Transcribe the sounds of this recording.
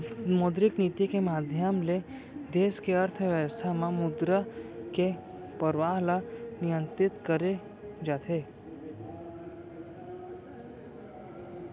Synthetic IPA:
mod̪ɾɪknit̪ikemaːd̪ʱjəmle | d̪eːskeəɾt̪ʰəʋjəʋəst̪ʰamãmʊd̪ɾəke | pəɾʋaːɦlanijə̃nt̪ɾɪt̪kəɾe | d͡ʒaːt̪ʰe

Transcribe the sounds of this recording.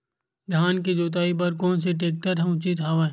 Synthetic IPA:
ɡʱjaːnk̬id͡ʒoːt̪̬aːip̬ɐɾkɔːns̬eʈ̬eːk̚ʈəɾɦɛ̃ʊt͡ʃit̪ɦaːʋa

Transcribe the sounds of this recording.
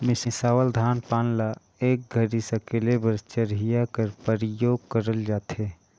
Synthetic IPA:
mɪsɪsaːʋəld̪ʱaːnpaːnla | eːk̚ɡʱəɾisəkeːlebəɾt͡ʃəɾɦijakəɾpəɾijoːɡ̚kəɾəld͡ʒaːt̪ʰɦeː

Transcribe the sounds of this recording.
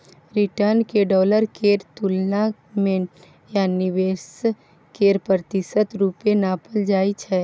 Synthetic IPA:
ɾɪʈəɾnkeɖɔːləɾkeːɾt̪ulna | mẽ | janɪʋeːs | keːɾpɾət̪ɪʃət̪ɾuːpenaːpəld͡ʒaːit͡ʃʰɛː

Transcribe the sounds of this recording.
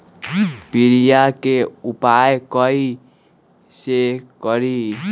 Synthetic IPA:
piɾijakeupajkʌi | sekʌɾi

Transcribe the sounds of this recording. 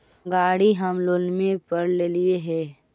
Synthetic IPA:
ɡaːɽiɦəmlolmẽpəɾleːlieɦɛː

